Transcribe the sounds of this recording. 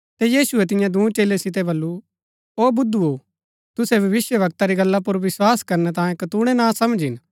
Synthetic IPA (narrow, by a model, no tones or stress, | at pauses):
t̪ɛjiːsʊɛt̪̬ɪ̃jãd̪ũːt͡ʃeːlesɪt̪̬ɛbɐlːu | oːbʊd̪ʱːuo | t̪ʊsɛbʱɐʋɪsjəʋɐk̚t̪aɾiɡɐlːap̬ʊɾʋɪswaːskɐɾnɛt̪̬ãːjẽkɐt̪uɽ̃ɛnãsɐmd͡ʒɪn